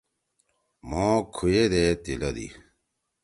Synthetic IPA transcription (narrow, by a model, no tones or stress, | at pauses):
mõːkʰujed̪eːt̪ilɐd̪ḭ